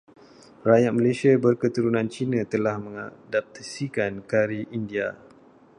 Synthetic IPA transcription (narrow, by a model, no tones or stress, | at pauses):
rajat̪̚məlesiabərkət̪uɾunãnt͡ʃinãt̪əlahmə̃ŋadap̚t̪asikankaɾiʔindia